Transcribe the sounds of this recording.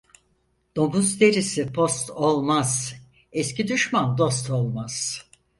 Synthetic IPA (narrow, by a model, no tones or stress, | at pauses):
d̪̥o̞muzd̪e̞ɾisipʰo̞st̪ʰolˠmaz̥ | ɛscid̪yʃmand̪o̞st̪ʰo̞lˠmaz̥